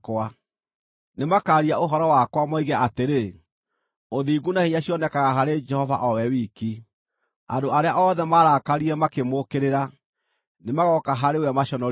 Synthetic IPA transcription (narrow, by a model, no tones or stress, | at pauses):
kwa | nemakaːɾiaoɦɔɾɔwakwamaiɣɛʔateɾe | oðiːɡunaheɲaɕiɔnɛkaɣaɦaɾed͡ʒɛhɔva̰ʔɔwɛwiːki | a̰ndoaɾeaʔɔðɛmaɾakaɾiɛmakemokeɾeɾa | nemaɣɔkaɦaɾewɛmaʃɔnɔ